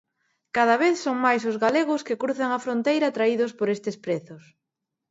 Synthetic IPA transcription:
kaðaβ̞eθsoŋmajsʊzɣaleɣʊskɪkɾuθaŋɐfɾont̪ejɾat̪ɾaiðʊspoɾest̪ɪspɾeθʊs

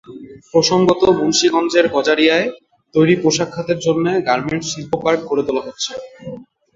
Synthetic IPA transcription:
pɾoʃoŋɡot̪obonʃiɡɔnd͡ʑeɾɡʱɔd͡ʑaɾijae | t̪ojɾipɾoʃakʰːat̪eɾd͡ʑonːeɡaɾmeɳʈʃilpokaɾʈ̚koɾet̪olaɦotːɕʰe

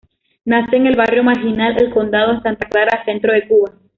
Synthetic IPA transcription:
naseeŋe̞lβarjo̞maɾxinalelko̞nd̪að̞oensant̪aklaɾaːsent̪ɾo̞ðe̞kuβa

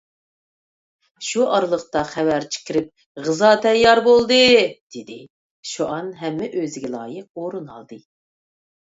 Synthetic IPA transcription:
ʃuʔɑɾɨlˠəχt̪ɑχɛvæɾt͡ʃʰi̥kʲiɾɪp̚ | ʁɨzɑːt̪ʰɛjːɑɾbolˠd̪ɨd̪̥ɪd̪ɪ | ʃoʔɑnɦɛmːɛʔøzɪɡʲɛlˠɑ̰ːjəq̚oɾunɑ̰lˠd̪ɨ

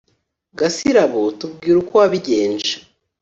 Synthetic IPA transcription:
ɡasiɾaβotub̚ɡiːɾukoaβiɟeːnd͡ʒḁ

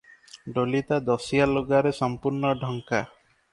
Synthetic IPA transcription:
ɖolit̪ad̪ɔsijaloɡaɾesɔmpuɾɳɔɖʱɔŋka

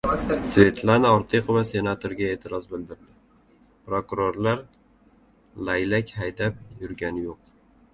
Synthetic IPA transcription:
svʲe̞t̪ʰlanaɒɾt̪ʰeqɨvase̞nat̪ʰoɾɡʲae̞t̪ʰɪɾɒzbɪld̪ɪɾd̪ɪ | pɾokʊɾoɾlaɾ | lajlakʲhajd̪ap̚jʊɾɡʲanɪjoq̚

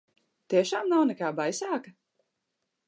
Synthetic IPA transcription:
t̪iɛʃaːmnawnɛkaːbajsaːka

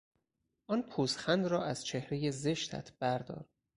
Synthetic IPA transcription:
ʔɒːnpʰuːsxænd̪rɒːʔæz̥t͡ʃʰehɾe̞je̞zeʃt̪ʰæ̰t̪ʰb̥æɾd̪ɒ̰ːɾ

